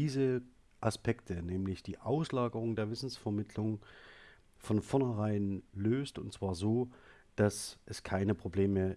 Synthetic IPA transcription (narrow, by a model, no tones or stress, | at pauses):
iːzə | ʔaspɛktʰənɛːmlɪçd̥iːʔaʊslaːɡəʁ̞ʊŋdeːɐvɪsn̩sfɛɐmɪtʰlʊŋ | fɔnfɔɐnɐʁaɪnløːstʊntt͡sv̥aːɐzoː | d̥asʔɛskʰaɪnəpʁ̥obleːmə